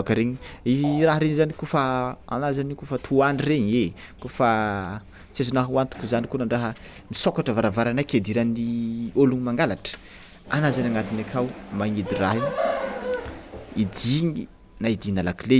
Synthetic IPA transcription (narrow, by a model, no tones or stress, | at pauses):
akəɾeɲiiziraɦəɾeɲizanikofaa̰nazanikofət̪ʰuanireɲe | kofa | t͡sezunaɦuant̪u̥kuzanikonaɳɖ͡ʐaɦə | nisokaʈ͡ʂəvaɾavaɾanajked̪iɾanioluŋimaŋɡalaʈ͡ʂə̥ | anazanaŋɡat̪inakʰawmaŋed̪iraɦi | id̪iŋi | naid̪inalakile